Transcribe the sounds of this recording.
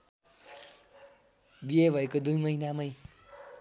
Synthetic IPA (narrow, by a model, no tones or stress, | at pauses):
biebʱʌekod̪ujmʌɦinamʌj